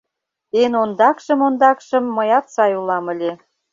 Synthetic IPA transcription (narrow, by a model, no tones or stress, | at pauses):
t̪enond̪ɑkʃə̆mond̪ɑkʃə̆mːəjɑt̪sɑjulɑmə̆lʲe